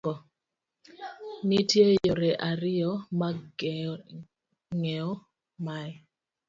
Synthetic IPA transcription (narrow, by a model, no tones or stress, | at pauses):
ɔ | nitjejoɾɛʔaɾɪjɔma | ŋɛɔ | maj